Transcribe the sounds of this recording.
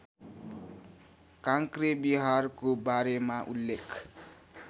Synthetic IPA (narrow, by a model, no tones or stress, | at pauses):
kãŋkrebiɦarkobaɾemaʔṵlːekʰ